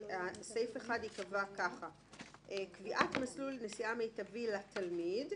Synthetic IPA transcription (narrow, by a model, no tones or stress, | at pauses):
asejfeχad̪ikavakaχa | ekviʔatmaslulnesiamejtavilatʰalmid